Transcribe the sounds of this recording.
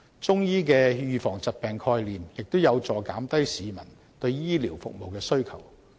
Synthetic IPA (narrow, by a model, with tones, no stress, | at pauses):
t͡sʊ˥ŋjiː˥k̬ɛː˧jyː˨˧fɔː˨˩ŋt͡sɐ˨t̚pɛː˨ŋkʰɔː˧jliː˨mjɪ˨k̚t̪o˥wjɐ˨˧wt͡sɔː˨˩ka̰ː˨˥mt̪ɐ˥jsiː˨˧mɐ˨˩n | t̪ɵ˧ɥjiː˥liː˨˩wfʊ̰˨k̚mo˨wkɛː˧sɵ˥ɥkʰɐ˨˩w